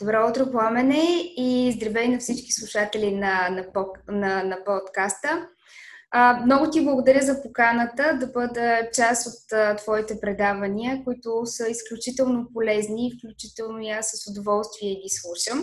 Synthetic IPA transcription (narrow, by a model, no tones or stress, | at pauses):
d̪̥obɾaʊt̪ɾopoamɛnɛizd̪ɾɛvɛinɐfsit͡ʃki̥slˠuʃat̪ɛlinɐnɐɔnɐnɐpɔt̪kast̪ə | mnɔɡʊt̪iblˠəɡʊd̪ɐɾʲjəzɐpokanət̪əd̪ɐbɤd̪ət͡ʃasot̪ət̪ːv̥ɔit̪ɛpɾɛd̪avɐniəkʊit̪ʊsəisklʲut͡ʃit̪ɛlˠnopolɛzniːfklʲut͡ʃit̪ɛlˠnoiasːəsʊd̪ovɔlˠst̪viɛiɡislˠuʃəm